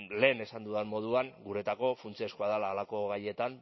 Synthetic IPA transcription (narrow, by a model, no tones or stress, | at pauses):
le̞ːne̞sand̪uðenmo̞ðuaŋɡuɾe̞t̪ako̞funt͡siaskoaðalaːlako̞ɣaje̞t̪an